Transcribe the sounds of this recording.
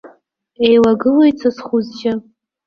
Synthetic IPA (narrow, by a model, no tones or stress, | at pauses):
ejlaɡɨlajt͡sʰasχuzʒʲɪ